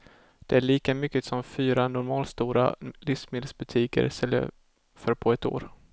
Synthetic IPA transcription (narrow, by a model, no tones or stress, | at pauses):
d̪̥ɛæɭiːkamʏkːəsɔmfyːɾanʊɾmɑːlst̪uːɾa̰lɪfsmeːd̪əsbɵt̪ʰiːkə̰ɾsɛlːə̰ | fœɾpʰɔɛt̪o̰ːɾ